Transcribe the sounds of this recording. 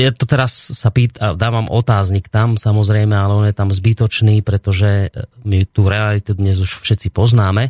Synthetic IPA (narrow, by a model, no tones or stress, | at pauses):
jat̪ɔt̪ɛɾasːapiːt̪ad̪aːʋamʔɔt̪aːzɲikt̪amsamɔzɾɛjmɛalɛɔnjɛt̪amzbit̪ɔt͡ʃniːpɾɛt̪ɔʒɛmit̪uːɾɛalit̪ud̪ɲɛzuʃfʃɛtt͡sipɔznaːmɛ